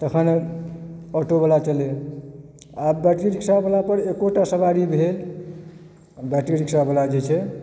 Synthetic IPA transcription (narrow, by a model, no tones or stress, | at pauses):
t̪əkʰən | ɔʈobəlat͡ʃəle | abbɛʈɾiɾiksabəlapəɾekoʈasəbaɾibʱel | baʈɾiɾiksabəlad͡ʒɛt͡ʃʰɛ